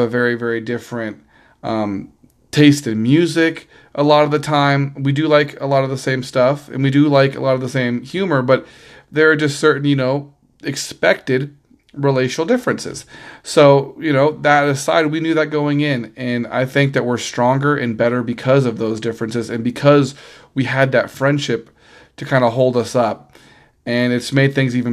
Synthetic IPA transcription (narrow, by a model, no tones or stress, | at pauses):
əvɛɹivɛɹidɪfɹɨ̃nt | ʔʌ̃m | tʰeɪstɨ̃nmjʉzɪk | ʔəlɔɾʌvðɨtʰãɪ̃mwidɨlaɪkʰə̰lɔɾʌvðəsẽɪ̃mstʌfɨ̰̃nwidɨlaɪkə̰lɔɾʌvðəsẽɪ̃mhjʉmə˞bʌt̪̚ | ðə˞ːd͡ʒʌstsɜ˞ʔn̩jɨnoʊ | ɨkspɛk̚tɨd | ɹileɪʃnl̩ˠdɪfɹɨ̃nsɨ̰z̥soʊjɨñoʊðəɾɨsa̰ɪd̚winjʉðɨt̚ɡ̥oʊɪ̃ŋɪ̃nɨ̃na̰ɪθɪ̃ŋk̚ðɨt̚wə˞stɹ̥ɔ̃ŋɡə˞ʔɨ̃nbɛɾə˞bɨkʰʌzʌvðoʊzdɪfɹɨ̃nsɨzɨ̃nbɨkʰʌz | wiɨd̪̚ðɨtfɹɛ̃nd̥ʃɪp̚ | tʰɨkʰãɪ̃ndəɦoʊlˠdʌsʌp̚ | ɨ̃nɨtsmeɪd̪̚θɪ̃ŋzivɨ̃n